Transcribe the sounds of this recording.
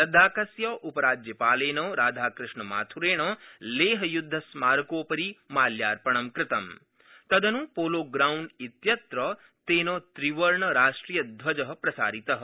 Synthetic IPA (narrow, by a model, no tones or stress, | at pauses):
ɐd̪ʱaːkɐsjɐʔupɐɾaːd͡ʒjɐpaːleːnoːɾaːd̪ʱaːkɾɪʂɳɐma̰ːt̪ʰuɾeːɳ̃oːleːɦɐjud̪ʱːɐsmaːɾkoːpɐɾimaːljaːɾpɐɳ̃ɐmkɾɪt̪ɐm | t̪ɐd̪ʱɐnũpoːloːɡɾawɳɖit̪jɐt̪ɾɐ | t̪eːnoːt̪ɾiʋɐɾɳɐɾaːʂʈɾiːjɐd̪ʱʋɐd͡ʒɐɦɐ̆pɾɐsa̰ːɾit̪ɐɦɐ